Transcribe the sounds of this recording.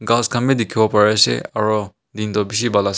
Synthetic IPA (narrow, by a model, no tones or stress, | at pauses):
ɡaskʰamedikʰibɔpaɹɛsɛ̰aɹɔ | dintɔbis̬ibalas